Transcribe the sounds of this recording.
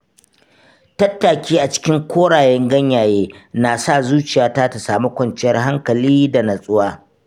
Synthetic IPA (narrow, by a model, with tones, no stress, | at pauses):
tɐ˦tːaː˨kʲiː˦ʔa˨t͡ʃɪ̥˦kʲɪ˦ŋkʷʰoː˦ɽaː˨jɛ˦ŋɡɐ˦ɲjaː˨jeː˦naː˨sa˦˨zuː˦t͡ʃɪ˨jaː˨taː˦ta˨saː˨mu˦kʷɐ˨nt͡ʃɪ˦jɐ˦rɦa˦ŋkɐ˨liː˦da˨nɐ˨sʼʊ˦waː˦